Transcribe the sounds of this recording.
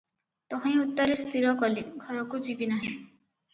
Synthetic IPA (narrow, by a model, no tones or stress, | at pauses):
t̪ɔɦĩut̪ːaɾest̪iɾɔkɔliɡʱɔɾɔkud͡ʒibinaɦĩ